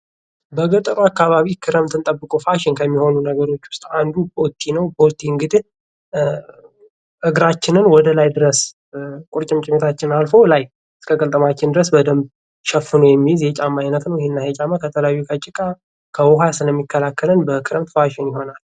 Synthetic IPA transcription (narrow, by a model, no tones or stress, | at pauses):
bəɡət̪ʼəɾakːaβaβikʰɨɾəmt̪ʰɨnt̪ʼəbːɨkʼofaʃɪnkʰəmːiho̞nunəɡəɾo̞t͡ʃːwʊ̥st̪ʼand̪ubot̪ʰːinəwbot̪ʰːiɨŋɡɨd̪i | ʔɨɡɾat͡ʃːɪnɨnwɔd̪əlajd̪ɨɾəs | kʼʊɾt͡ʃʼɪmt͡ʃʼɪmit̪ʰat͡ʃːɪnalfo̞laj | ɨskʰəkʼəlt̪ʼəmat͡ʃːɪnd̪ɨɾəsbəd̪əmb | ʃɛfːɨnojɛmːizjɛt͡ʃʼamːajnət̪nəwjɪhɪnːajet͡ʃʼamːakʰət̪ʰələjajːukʰət͡ʃʼɪkʼa | kʰəwɔɦasɨləmːikʰːəlakːələnbəkʰɨɾəmt̪faʃɪnjɪɦo̞nal